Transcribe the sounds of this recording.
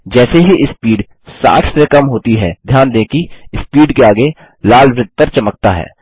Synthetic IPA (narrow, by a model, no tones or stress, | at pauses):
d͡ʒɛːseɦiʔɪspiːɖ | sa̰ːksekɐmɦoːt̪iɦɛːd̪ʱjaːnd̪ẽːkiɪspiːɖkeaːɡe | laːlʋɾɪd̪̚pɐɾt͡ʃɐmək̚t̪aɦɛ̰ː